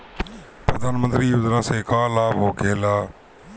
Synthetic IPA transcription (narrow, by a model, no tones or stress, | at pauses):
pɾəd̪aːnmənt̪ɾiːʊzɾãːseːkãːlaːbɦoːkʰeːlaː